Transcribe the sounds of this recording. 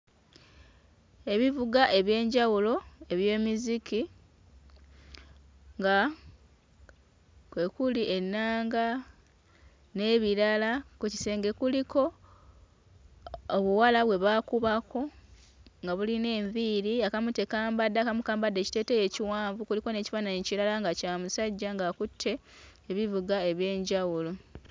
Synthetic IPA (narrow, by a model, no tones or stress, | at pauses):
e̞βivuɡaʔe̞βje̞ːɲɟawulo̞e̞βje̞ːmiziki | ŋɡa | kwe̞kuliʔe̞nːaːŋɡa | ne̞ːβiɾalakuci̥se̞ːŋɡe̞kuliko̞ | βuwalaβwe̞βaːkuβako̞ | ŋɡaβuline̞ːɱviːɾiakamute̞kaːmbadːakamukaːmbadːe̞ːci̥te̞ːteje̞ciwaːɱvukuliko̞ne̞ːci̥fanaɲeciɾalaŋɡacaːmusaɟːaŋɡakutʰːe̞ːβivuɡae̞βje̞ːɲɟawulo